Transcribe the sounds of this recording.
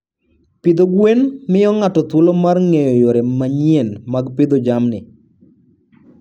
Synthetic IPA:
pɪd̪oɡwenmɪjɔŋatɔt̪wolomarŋejɔjoɾemaɲienmaɡpɪd̪od͡ʒamnɪ

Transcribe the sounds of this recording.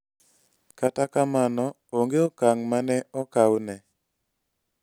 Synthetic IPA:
katakamanɔ | oŋɡeɔkaŋmanɛɔkawnɛ

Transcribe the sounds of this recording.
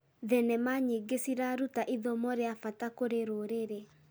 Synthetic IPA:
ðɛnɛmaɲeɡesiɾaɾutaʔiðɔmɔɾeafatakoɾeɾoɾeɾe

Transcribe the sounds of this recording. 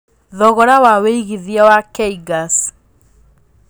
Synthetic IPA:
ðɔɣɔɾawaweiɣiðiawakɛiɡas

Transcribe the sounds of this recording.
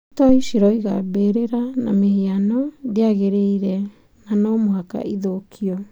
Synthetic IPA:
itoisiɾoiɣa̰beɾeɾana̰mehianodeaɣeɾeiɾe | nanomoɦaka̰ʔiðokʰio

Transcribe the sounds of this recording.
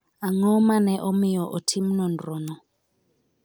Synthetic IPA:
aŋɔmanɛʔɔmijɔʔɔtʰim̩nɔndɾɔnɔ

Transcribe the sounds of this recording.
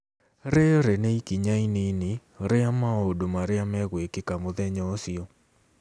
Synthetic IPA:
ɾeɾɛneikiɲainene | oɾeamaɔodomaɾeamɛɣwekekamoðɛɲɔsiɔ

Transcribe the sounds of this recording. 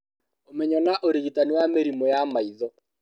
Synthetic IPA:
omɛɲɔnaʔoɾiɣitaniwameɾimojamaiðɔ

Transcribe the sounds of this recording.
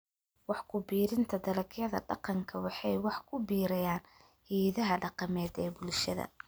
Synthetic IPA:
wɑħkʰʊbiːɾɪnt̪ʰɐd̪ɐlɐkʰjɐðɐ̰ɖɑ̰qɑŋkʰɐwɑħɑjwɑħkʰʊbiːɾɐjaːn | hiːðɐɦɐɖɑqɑmɛːd̪ɛːbʊlʃɐðɐ̰

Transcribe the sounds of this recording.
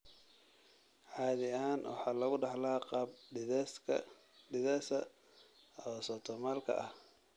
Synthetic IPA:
ʕɑːðɪaːnwɑ̰ħɑːlɐɣʊɖɑħlaːqɑːb̰̚ | ɪðasɐ | ɔsɔt̪ʰɔmaːlkʰɐ̰ʔɐh

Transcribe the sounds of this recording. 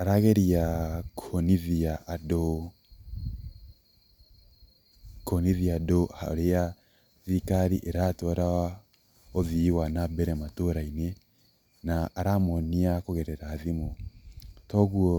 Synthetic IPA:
aɾaɣeɾiakoniðiado | koniðiadoha̰o̰ɾeja | ðikaɾiʔeɾatoɾa | oviwanabɛɾematoɾaine | naːɾamoniakuɣeɾɛɾaːðimo | toɣuo

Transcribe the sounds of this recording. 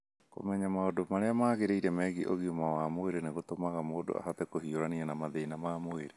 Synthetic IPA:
ko̰mɛɲamaodomaɾeamaːɣeɾeiɾɛmɛːɣiʔoɣiomawamoeɾeneɣot̪omaɣamoːdo̰a̰hat̪ɛkohioɾanianamaðeinamamoeɾe

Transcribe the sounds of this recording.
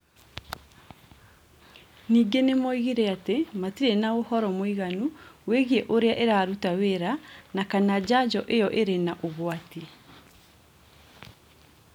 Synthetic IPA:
niːɡenemɔiɣiɾɛatematiɾenaohɔɾɔmwiɣanuweɣieʔoɾeaʔeɾaɾutaweɾanakanad͡ʑad͡ʒɔʔejɔʔeɾenaʔoɣwati

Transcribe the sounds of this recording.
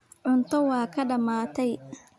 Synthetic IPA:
ʕʊnt̪ʰɔwɑːkʰɐɖɐmaːt̪ʰɛj

